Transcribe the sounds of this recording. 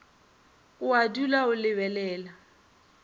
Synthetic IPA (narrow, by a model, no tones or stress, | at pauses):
ʊadulaʊlɪβɛlɛːla